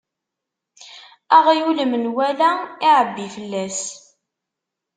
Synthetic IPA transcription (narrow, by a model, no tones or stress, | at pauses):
æʁjuləmnwælæɪʕəbːifəlːæs